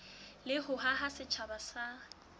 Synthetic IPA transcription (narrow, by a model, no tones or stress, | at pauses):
lɪhʊɦaɦasɪt͡ʃʰabasa